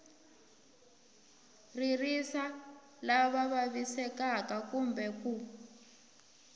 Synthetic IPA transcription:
ririsa | laβaβaβisɛkakakumbɛku

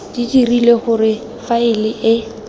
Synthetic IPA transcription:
d̥idirileχʊrɪ | faɪlɪʔɪ

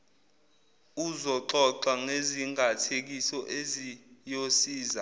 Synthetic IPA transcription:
uzɔǃɔǃaŋeziŋɡʱatʰek̬isɔʔezijosiːza

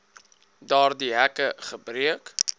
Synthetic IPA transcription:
dɑːrdiɦækəχəbriək

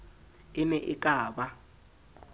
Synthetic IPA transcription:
ɪnɛʔikʼaːba

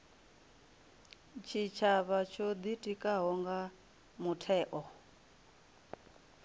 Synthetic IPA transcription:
t͡ʃʰit͡ʃʰaβat͡ʃʰod̪itʼikʼaɦɔŋɡa | mutʰɛːʔɔ

